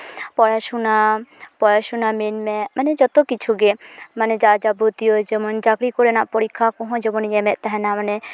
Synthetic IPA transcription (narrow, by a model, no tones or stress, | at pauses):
pɔɾaʃunapɔɾaʃɔnamenmɛmaned͡ʒɔt̪okit͡ʃʰuɡemaned͡ʒad͡ʒabʱot̪ijod͡ʒɛmɔnd͡ʒakɾikɔɾenaʔpɔɽikʰːakɔ̃ɦɔ̃d͡ʒɛmɔniɲɛmɛʔt̪aɦɛnamane